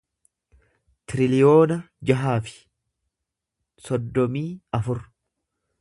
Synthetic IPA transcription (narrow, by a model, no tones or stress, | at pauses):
t̪ɪɾɪlɪjo̞ːnɐ | d͡ʒɐɦaːfɪ̥ | sɔd̪ːɔmiːɐfʊɾ